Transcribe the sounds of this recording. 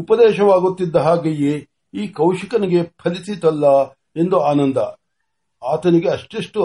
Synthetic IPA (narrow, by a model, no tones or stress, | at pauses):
upɐd̪ɛːʃɐʋaːɡut̪ːid̪ːɐɦaːɡɐje | iːkɐwʃikɐniɡe̞pʰɐlisit̪ɐlːɐ | e̞nd̪uaːnɐnd̪ɐ | aːt̪ɐniɡeɐʂʈiʂʈu